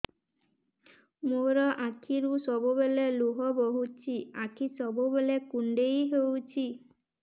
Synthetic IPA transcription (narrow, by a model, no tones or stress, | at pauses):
moɾɔʔakʰiɾusɔbubeleluɦɔboɦut͡ʃʰiakʰisɔbubelekuɳɖejɦewt͡ʃʰi